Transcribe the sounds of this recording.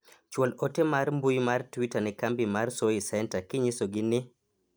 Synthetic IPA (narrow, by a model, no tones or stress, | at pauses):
t͡ʃwɔlotemarmbujmartwitanɛkambimarsoisɛntakɪɲɪsoɡɪnɪ